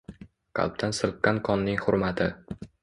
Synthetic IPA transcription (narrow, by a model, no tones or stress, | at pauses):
qʰɑ̰lˠp̚t̪ʰansɨlˠp̚kʲankʰɒnːɪŋχʊɾmat̪ʰɪ